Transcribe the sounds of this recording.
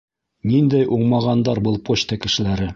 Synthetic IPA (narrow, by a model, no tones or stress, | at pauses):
nind̪æjʔuɴmɑʁɑnd̪ɑɾbɤlˠpoɕt̪ɑkɘ̆ʃɘ̆læɾɘ